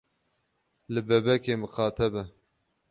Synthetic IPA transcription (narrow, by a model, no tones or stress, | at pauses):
lɨbɛbɛkeːmɨxɑːt̪ʰɛbɛ